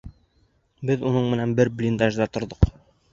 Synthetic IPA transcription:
bɘðunɤɴmɘ̆nænbɘɾblʲind̪aʒd̪ɑt̪ŏɾðɤq

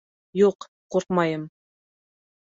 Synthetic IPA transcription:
juq | quɾqmɑjɤm

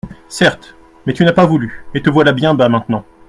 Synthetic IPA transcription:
sɛʁt̪ | mɛt̪ynapavulyet̪əvwalabjɛ̃bamɛ̃t̪nɑ̃

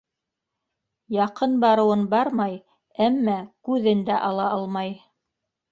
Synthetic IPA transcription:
jɑqɤnbɑɾɤ̆wɤnbɑɾmɑj | æmːækʉðɘnd̪æʔɑlˠɑʔɑlˠmɑj

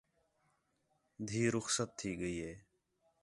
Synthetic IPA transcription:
d̪ʱiːɾʊxsət̪ʰːiːɡəiːɦeː

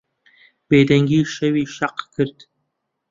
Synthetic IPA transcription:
b̥eːd̪ɐŋɡʲiːʃɐwiːʃɐqkʰɨɾd̪̥

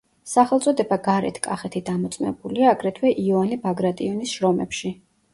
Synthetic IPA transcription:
saχɛlˠt̪sʼɔd̪ɛbaɡaɾɛ̰t̪ʰkʼaχɛt̪ʰid̪amɔt̪sʼmɛ̰buliaːɡɾɛt̪ʰwɛʔiɔvanibaɡɾat̪ʼiɔnisʃɾɔmɛpʃi

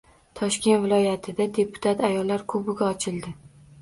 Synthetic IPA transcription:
t̪ʰɒʃkʲe̞nt̪vɪlˠɒjat̪ʰɪd̪ad̪e̞pʰʊ̥t̪ʰat̪ajɒlːaɾkʰɵbɪɡʲaɒt͡ʃʰɪld̪ɪ

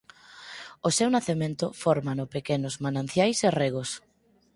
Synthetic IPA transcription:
osewnaθemẽnt̪ʊfɔɾmanʊpekenʊzmanãn̟θjajsereɣ̞os

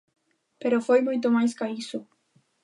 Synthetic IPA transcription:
peɾofojmujt̪̬omajskaisu

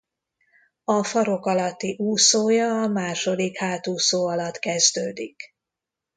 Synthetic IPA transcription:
ɒfɒɾo̞kɒlɒt̪ːiʔuːsoːjɒːmaːʃo̞d̪ikhaːt̪uːsoːɒlɒt̪kɛzd̪øːd̪ik

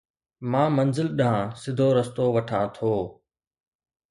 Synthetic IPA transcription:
mãːmənzɪlɗãːsɪd̪ʱoːɾəst̪oːʋɐʈʰãːt̪ʰoː

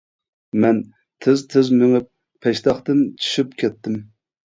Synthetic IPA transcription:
mɛn | t̪ʰɪzt̪ʰɪzmyŋɪp̚ | pʰɛʃt̪ɑχt̪ɨnt͡ʃʰy̥ʃypkʲʰɛt̪ʰːɪm

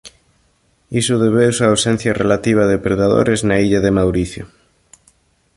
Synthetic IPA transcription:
isʊðeβeusuaːwsɛn̟θjarʔelat̪iβ̞ɐðepɾeðaðo̰ɾeznaiʎaðemawɾiθjʊ̰

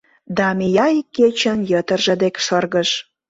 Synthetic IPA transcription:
d̪ɑmijɑjkːet͡ɕə̆njət̪ərʒə̆d̪ekʃɤrɣəʃ

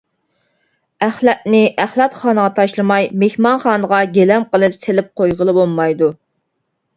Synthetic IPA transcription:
æχlɛt̪̚nɪʔæχlˠɑt̪χɑːnəʁɑt̪ʰɑʃlˠɨmɑjmehmɑnχɑːnəʁɑɡʲelɛmqəlˠɨpselɪp̚qʰojʁəlˠɨbolˠmɑjd̪u

